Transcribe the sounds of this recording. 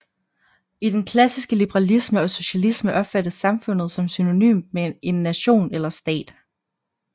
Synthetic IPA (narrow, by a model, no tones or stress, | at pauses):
id̥enkʰlæsisɡ̥əlib̥əʁɑlisməɒ̽so̝ɕælisməʔɒ̽b̥fæd̥əsːɑ̈mfɔ̽n̰ð̩ˠsɒ̽msyno̝ny̰ːmmeʔe̝nːæɕo̝̰ːnelɐsd̥ɛ̰ːd̥